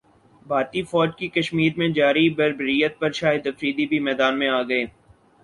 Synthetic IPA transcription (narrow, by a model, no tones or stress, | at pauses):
bʱaːt̪ifɔːd͡ʒkikɐʃmiːɾmẽd͡ʒaːɾibɐɾbəɾijət̪̚pɐɾʃaːjɪəd̪ɐfɾiːd̪ibʱimɛːd̪aːnmẽaːɡɐeː